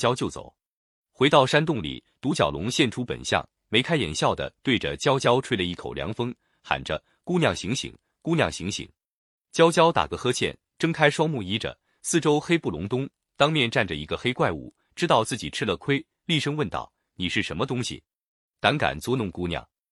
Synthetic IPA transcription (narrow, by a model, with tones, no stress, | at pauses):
t͡ɕjɑ˥ʊt͡ɕjo˥˩ʊt͡so̰˨˩˦ʊ | xwe˧˥ɪt̪ɑ˥˩ʊʂa˥nt̪̬ʊ˥˩ŋlḭ˨˩t̪u˧˥t͡ɕjɑ˨˩ʊlʊ̰˧˥ŋɕjɛ˥˩nʈ͡ʂʰu˥pə̰˨˩nɕjɑ̰˥˩ŋ | me˧˥ɪkʰa˥ɪjɛ̰˨˩nɕjɑ˥˩ʊd̪ə̰˩t̪we˥˩ɪʈ͡ʂə̰˩t͡ɕjɑ˥ʊt͡ɕjɑ˥ʊʈ͡ʂʰwe˥lə˧i˥˩kʰo˨˩ʊljɑ̰˧˥ŋfɤ˥ŋ | xa̰˨˩nʈ͡ʂə˦ | ku˥njɑ˥˩ŋɕi˧˥ŋɕḭ˨˩˦ŋ | ku˥njɑ̰˥˩ŋɕi˧˥ŋɕḭ˨˩˦ŋ | t͡ɕjɑ˥ʊt͡ɕjɑ˥ʊt̪a̰˨˩ɡə˧xɤ˥t͡ɕʰjɛ̰˥˩n | ʈ͡ʂɤ˥ŋkʰa˥ɪʂwɑ˥ʊmu˥˩i˥ʈ͡ʂə̰˨ | sɹ̩˥˩ʈ͡ʂo˥ʊxe˥ɪpu˥˩lʊ̰˧˥ŋt̪ʊ˥ŋ | t̪ɑ˥ŋmjɛ˥˧nʈ͡ʂa˥˩nʈ͡ʂə˩i˧˥ɡə˧xe˥ɪkwa˥˧ɪṵ˨˩˦ | ʈ͡ʂɻ̩˥t̪ɑ˥˧ʊt͡sɹ̩˥˩t͡ɕi˨˩ʈ͡ʂʰɻ̩˥lə˥˧kʰwe˥ɪ | li˥˧ʂɤ˥ŋwə˥˧nt̪ɑ̰˥˩ʊ | ni˨˩ʂɻ̩˥˩ʂə˧˥nmə˧t̪ʊ˥ŋɕḭ˨˩ | t̪a˧˥ŋka̰˨˩nt͡swɔ˥nʊ˥˩ŋku˥njɑ̰˥˩ŋ